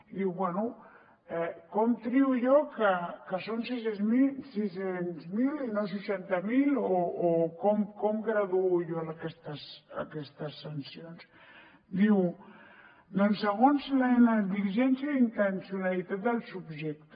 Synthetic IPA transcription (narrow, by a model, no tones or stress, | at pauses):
d̪iwβwɛnu | ekomt̪ɾiuʝokakasons̬isemisisensmilinos̬ut͡ʃɛnt̪amilookomkomɡɾaðuuʝoakest̪asa̰kɛst̪asːansjons | d̪iw | d̪onseɣonslaenaðiʒɛnsjaint̪ensjunalit̪at̪̚d̪alsubʒɛk̚t̪